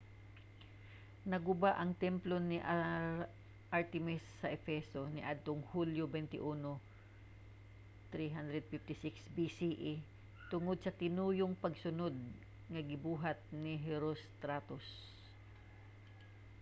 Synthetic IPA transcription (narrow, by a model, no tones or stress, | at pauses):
nɐɡʊbaʔɐŋt̪ɛmplo̞nɪʔ | ʔaɹt̪ɛmɪsːɐʔɛfɛso̞nɪʔad̪̚t̪oŋhuljobɛnt̪ɪ̰ʔuːno | t̪ɾiɦand̪ɾɛd̪̚fɪft̪ɪsɪksbisiʔi | t̪ʊŋod̪̚sɐt̪ɪnuːjoŋpɐɡsʊno̞d̪̚ | ŋɐɡɪbuːɦɐt̪̚nɪɦɛɾost̪ɾat̪os